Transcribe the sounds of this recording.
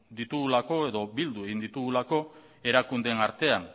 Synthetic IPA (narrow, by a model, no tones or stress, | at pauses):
d̪it̪uɣulako̞e̞ðo̞bild̪ue̞ɣind̪it̪uɣulako̞ | e̞ɾakund̪e̞naɾt̪e̞an